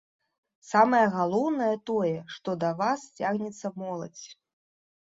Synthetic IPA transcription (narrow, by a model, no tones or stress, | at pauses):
samɐjɐɣalˠɔwnɐjɐt̪ɔjɛʂt̪ɔd̪ɐvast͡sʲaɣnʲɛt̪sːɐmɔlˠɐ̰t͡sʲ